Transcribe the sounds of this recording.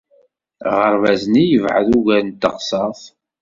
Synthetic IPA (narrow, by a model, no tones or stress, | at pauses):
ʁəɾvæznijəvʕə̰ðuʝæɾnt̪ːəqsˤɑθ